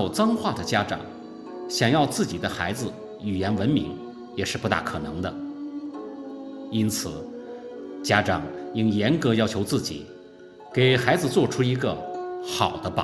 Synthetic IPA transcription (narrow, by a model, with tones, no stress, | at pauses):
o˨˩ʊt͡sɑ˥ŋxwa˥˩d̪ə˩t͡ɕja˥ʈ͡ʂɑ̰˨˩˦ŋ | ɕjɑ˨˩ŋjɑ˥˧ʊt͡sɹ̩˥˩t͡ɕi˨˩d̪ə˦xa˧˥ɪd͡zɹ̩˧ | y˨˩jɛ˧˥nwə˧˥nmḭ˧˥ŋ | jɛ˨˩ʂɻ̩˥˧pu˧˥t̪a̰˥˩kʰɤ˨˩nɤ̰˧˥ŋd̪ə˧ | i˥nt͡sʰɹ̩˨˩˦ | t͡ɕja˥ʈ͡ʂɑ˨˩ŋi˥njɛ˧˥nkɤ˧˥jɑ˥ʊt͡ɕʰjo˧˥ʊt͡sɹ̩˥˩t͡ɕḭ˨˩˦ | ke˨˩ɪxa˧˥ɪd͡zɹ̩˧t͡swɔ˥˩ʈ͡ʂʰu˥i˧˥ɡə˧xɑ˨˩ʊd̪ə˦pɑ˨˩